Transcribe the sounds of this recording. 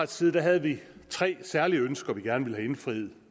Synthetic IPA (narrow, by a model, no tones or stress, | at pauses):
sʰiːðˠd̥æɦæð̞̩ˠʋit͡sʰʁɛ̰ːsæɐliəønsɡ̥ɐʋiɡ̥æɐnʋe̝lɦæe̝nfʁieð̰̩ˠ